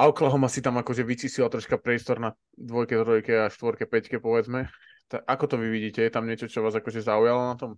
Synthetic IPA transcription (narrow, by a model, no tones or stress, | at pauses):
ʔaɔklaɦɔmasit̪amakɔʒɛʋit͡siːsilat̪ɾɔʃkapɾɪɛst̪ɔɾna | d̪ʋɔjkɛt̪ɾɔjkɛaʃt̪ʋɔɾkɛpɛckɛpɔʋɛd͡zmɛ | t̪aʔakɔt̪ɔʋiʋiɟiːcɛjɛt̪amɲɛt͡ʃɔt͡ʃɔʋaːzakɔʒɛzaujalɔnat̪ɔm